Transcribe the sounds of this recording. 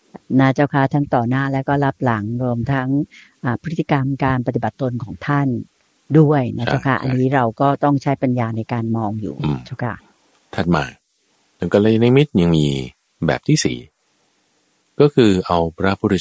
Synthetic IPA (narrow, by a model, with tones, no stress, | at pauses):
na˦˥˩t͡ɕʰa˥˩wkʰa˦˥t̪ʰa˦˥ŋt̪ɔː˨˩naː˥˩lɛː˦˥wkɔː˥˩la˦˥p̚la˩˦ŋɾu˧əmt̪ʰa˦˥ŋʔaː˨˩pʰɯ˦˥t̪ːi˧˩ka˧mkaː˧np̬a˧t̪i˨˩ba˨˩t̪ːo˧nkʰɔː˩˦ŋt̪ʰa˥˩n | du˥˩əjna˦˥t͡ɕʰa˥˩wkʰa˦˥ʔa̰˧nːiː˦˥ɾa˧wkɔː˥˩t̪ɔ˥˩ŋt͡ɕʰa˦˥jpa˧njaː˧na˧jkaː˧nmɔː˧ŋjṵː˨˩˧t͡ɕʰa˥˩wkʰa̰˦˥˩ | t̪ʰa˨˩t̪̚ma̰ː˨˩ | t̪ʰɯ˨˦ŋka˧la˧na˦˥mi˦˥t̪̚ja˧ŋmiː˧ | bɛ̰ː˨˩p̚t̪ʰiː˥˩sḭː˨˩˦ | kɔː˥˩kʰɯː˧ʔa˧wpʰɾa˦˥pʰu˧˥ɾi˦˩